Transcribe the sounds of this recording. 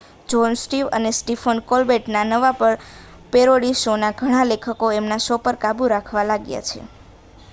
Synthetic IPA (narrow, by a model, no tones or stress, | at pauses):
d͡ʒɔnsʈiʋə̰nesʈifʰənkolbeʈnanəʋapəɾ | peɾoɽiʃonaɡʱəɽ̃ãlekʰəkoemnaʃopəɾkabuɾakʰʋalaɡja̰t͡ʃʰḛ